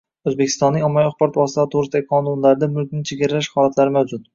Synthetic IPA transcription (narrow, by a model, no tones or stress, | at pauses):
ɵzbekʲʰɪ̥st̪ɒnːɪŋɒmːaɒχpɒɾɒt̪vɒsɪt̪aɪt̪ʰoʁɾɪst̪aɡʲqʰɒnʊnlaɾɪd̪amʊlkʲnɪt͡ʃʰeɡʲɪɾɪlaʃhɒlat̪laɾɪmawd͡ʒʊt̪̚